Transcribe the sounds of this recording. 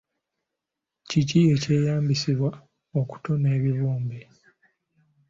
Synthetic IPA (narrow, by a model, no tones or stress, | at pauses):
cicie̞ce̞ːjaːmbisiβwa | o̞ku̥to̞neːβiβuːmbe